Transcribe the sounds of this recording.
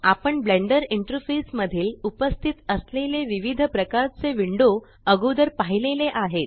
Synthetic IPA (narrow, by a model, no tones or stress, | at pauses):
apəɳbleɳɖəɾiɳʈəɾfesməd̪ʱiːlupəst̪ʰit̪əsleleʋiʋid̪ʱəpɾəkaɾt͡seʋiɳɖo | əɡod̪əɾpaɦileleʔaɦet̪̚